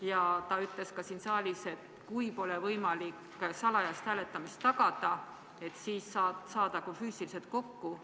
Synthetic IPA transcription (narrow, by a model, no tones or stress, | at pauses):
jɑt̪ɑyt̪le̞skɑsinsɑːlʲise̞t̪ | kujpo̞lɛvɤjmɑlikː | sɑlɑjɑst̪hæːle̞t̪ːˑɑmist̪ːɑɡ̥ɑd̪̥ɑ | e̞t̪ːsiːsːɑːt̪sɑːd̪̥ɑkufyːsiliset̪̚ko̞kːu